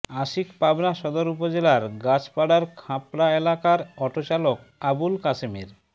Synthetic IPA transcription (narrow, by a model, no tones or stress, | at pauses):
aʃikpabnaʃɔd̪oɾupod͡ʑelaɾɡat͡ɕpaɽaɾkʰãpɾaelakaɾɔʈot͡ɕalok̚ | abulkasemeɾ